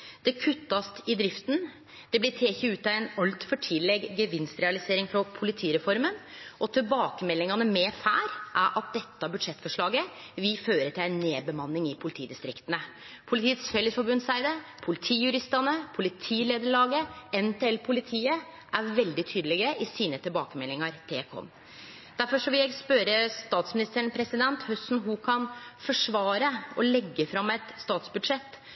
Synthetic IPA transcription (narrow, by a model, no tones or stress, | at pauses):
d̪̥ɛkʰʉt̪ːɑst̪ɪd̪ɾɪft̪n̩ | d̪̥ɛblɪʈ̪ʰeːçəʉːt̪ɑɛnɑlt̪fɔʈʰɪlɛɡɡəʋɪnst̪ɾɛɑlɪseːɾɪŋfɾɔpʰʊlɪt̪ʰiːɾɛfɔɾmənɔt̪ʰɪlbɑːkəmɛlːɪŋɑnəmɛfæːɾʔæɾʔɑt̪̚d̪ɛt̪ːɑbʉd̪ʂɛt̪ːfɔʂɭɑːɡə | ʋɪføːɾəʈʰɪlæɪnːeːbəmɑnːɪŋɪpʰʊlɪt̪ḭːd̪ɪst̪ɾɪkt̪ənə | pʰʊlɪt̪ʰiːət̪sfɛləsfɔɾbʉnsæɪd̪əpʰʊlɪt̪ʰiːjʉɾɪst̪ɑnəpʰʊlɪt̪ʰiːleːd̪əɭɑːɡəɛnpʰeːɛlpʰʊlɪt̪ʰiːə | ʔæɾʋɛld̪ɪt̪ʰyːd̪əlɪɡəʔɪsiːnət̪ʰɪlbɑːkəmɛlːɪŋɑɾt̪ʰḛːkʰɔ̰m | d̪̥æɾfɔʂɔʋɪljæɪspœɾəst̪ɑːt̪smɪnɪst̪əɳpʰɾɛsɪd̪ɛnt̪hœsnɦʊkʰɑnfɔʂʋɑːɾəɔlɛɡːəfɾɑmːɛt̪st̪ɑːt̪sbʉd̪ʂɛt̪ː